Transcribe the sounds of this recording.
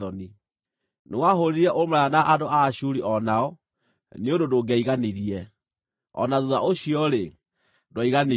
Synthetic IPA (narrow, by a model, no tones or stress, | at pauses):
ɔni | newaɦoɾeɾɛʔomɾaanaʔadoaɕuɾiʔɔnaɔ | neondodoɡɛiɣaneɾiɛ | ɔ̰naðuðaʔoɕiɔɾe | dwaiɣane